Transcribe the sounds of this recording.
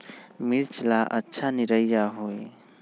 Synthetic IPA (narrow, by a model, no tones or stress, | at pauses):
miɾt͡ʃlaʔətːʃʰaniɾəjjaɦoj